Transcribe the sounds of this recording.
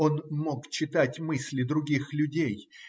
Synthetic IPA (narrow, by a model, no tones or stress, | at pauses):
o̞nmo̞kt͡ɕːɪt̪atʲmɨsʲlʲɪd̪ɾʊɡʲixlʲʊdʲej